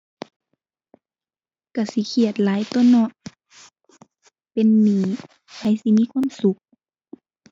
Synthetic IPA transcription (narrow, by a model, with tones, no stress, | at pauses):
ka˧˩si˧˦kʰi˧˩ə˨t̪̚laː˨˦jt̪o˧˥˨nɔ˧˦ʔ | pe˧˨nːiː˧˩ | hʰa˧˩˨jsi˧˦miː˧˥˨kʰwa˧˥˨msu˧˦k̚